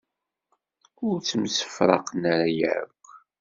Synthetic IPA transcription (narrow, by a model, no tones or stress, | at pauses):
ʊɾt͡sːəmsə̥fɾˤɑ̰qnaɾajə̰ʕə̰k